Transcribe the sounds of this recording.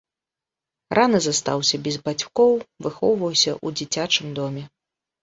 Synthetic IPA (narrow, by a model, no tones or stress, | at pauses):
rʔanɨzast̪a̰wsʲɐbʲɛzbat͡sʲkɔwvɨxɔ̰wvɐwsʲɐʔud͡zʲit͡sʲat͡ʂɨmd̪ɔmʲɛ